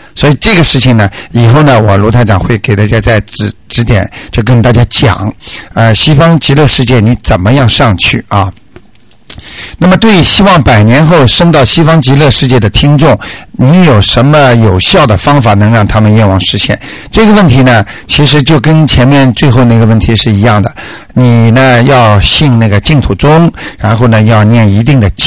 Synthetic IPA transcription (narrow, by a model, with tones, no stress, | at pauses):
swɔ˧˥i˨˩ʈ͡ʂɤ˥˩ɡə˩ʂɻ̩˥˩t͡ɕʰi˨˩ŋnə˩i˨˩xo˥˩ʊnə˩wɔ˨˩lu˧˥t̪ʰa˥˩ɪʈ͡ʂɑ̰˨˩ŋxwe˥˩ɪke˨˩ɪt̪a˥˩t͡ɕja˥t͡sa˥˧ɪʈ͡ʂɻ̩˧˩ʈ͡ʂɻ̩˧˥t̪jɛ̰˨˩˦nt͡ɕjo˥˩ʊk̬ə˥nt̪a˥˩t͡ɕja˥t͡ɕjɑ̰˨˩˦ŋə˧ɕi˥fɑ˥ŋt͡ɕi˧˥lɤ˥˧ʂɻ̩˥˧t͡ɕjɛ˥˩ni˧˥t͡sə˨˩nmə˦jɑ˥˧ŋʂɑ˥˧ŋt͡ɕʰy̰˥˩ɐ˥˧ | na˥˩mə˩t̪we˥˩ɕi˥wɑ˥˩ŋpa˨˩ɪnjɛ˧˥nxo˥˩ʊʂɤ˥ŋt̪ɑ˥˩ʊɕi˥fɑ˥ŋt͡ɕi˧˥lɤ˥˧ʂɻ̩˥˧t͡ɕjɛ˥˩d̪ə˩t̪ʰi˥ŋʈ͡ʂʊ˥˩ŋni˧˥jo˨˩ʊʂə˧˥nmə˧jo˨˩ʊɕjɑ˥˩ʊd̪ə˩fɑ˥ŋfa˨˩nɤ˧˥ŋɻɑ˥˩ŋt̪ʰa˥mə˨nɥɛ˥˧nwɑ˥˩ŋʂɻ̩˧˥ɕjɛ̰˥˩n | ʈ͡ʂɤ˥˩ɡə˩wə˥˩nt̪ʰi˧˥nə˧t͡ɕʰi˧˥ʂ̬ɻ̩˧˥t͡ɕjo˥˩ʊkə˥nt͡ɕʰjɛ˧˥nmjɛ˥˧nt͡swe˥˧ɪxo˥˧əna˥˩ɡə˩wə˥˩nt̪ʰi˧˥ʂɻ̩˥˩i˧˥jɑ˥˩ŋd̪ə˩ | ni˨˩nə˧˦jɑ˥˧ʊɕi˥˧ŋna˥˩ɡə˩t͡ɕi˥˧ŋt̪ʰu˨˩ʈ͡ʂʊ˥ŋɻa˧˥nxo˥˩ʊnə˩jɑ˥˧ʊnjɛ˥˩ni˧˥t̪i˥˩ŋd̪ə˩t͡ɕ